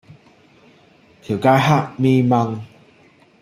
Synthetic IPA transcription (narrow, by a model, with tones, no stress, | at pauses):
t̪ʰji˨˩wka˧jɦa˥˧˨ʔmi˦ma˧ŋ